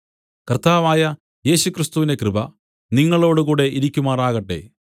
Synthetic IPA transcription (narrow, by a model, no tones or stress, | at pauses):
kɐrt̪aːʋaːjɐ | je̞ːɕukrɨst̪uʋinde̞krɨbɐ | niŋːɐɭo̞ːɽuɣuːɽe̞ʔiɾikʲːumaːraːɣɐʈːe̞̰